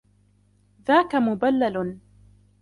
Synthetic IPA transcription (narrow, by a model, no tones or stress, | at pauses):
ðaːkamʊbalːal